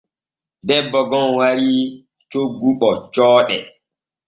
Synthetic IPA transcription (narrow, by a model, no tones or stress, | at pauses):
dɛbːɔɡɔnwaɾi | t͡ʃoɡːuɓɔt͡ʃɔːɗɛ